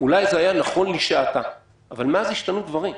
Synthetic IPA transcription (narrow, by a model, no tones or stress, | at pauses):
ulajzeajanaχo̞nliʃeat̪a | ʔavalmeaziʃtanudvaʁim